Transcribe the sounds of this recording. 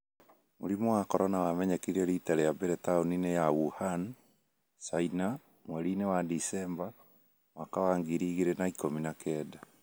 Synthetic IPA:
moɾimɔwakɔɾɔnawamɛɲɛkeiɾeɾitaɾejabeɾɛtaoninejawuhan | saina | mwɛɾiːnewadisɛmba | mwakawaŋɡiɾiɣiɾenaikominakʰɛːda

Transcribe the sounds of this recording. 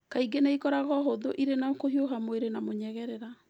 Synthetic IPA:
kaiɡenaikɔɾaɣɔɦoðoʔiɾenakoɦioɦamweɾenamoɲɛɣɛɾɛɾa

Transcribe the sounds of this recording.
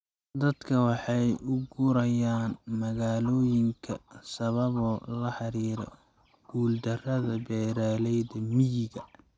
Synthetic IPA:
d̪ɐd̪̥kʰɐwɑħɑjʊɡuɾɐjaːnmɐɣaːlɔːjɪŋkʰɐ̰sɐβɐβɔːlɐħɑɾiːɾɔ̰ | ɡ̥uːld̪ɐrɐðɐbɛːɾaːlɛjðɐmɪjɪɣɐ

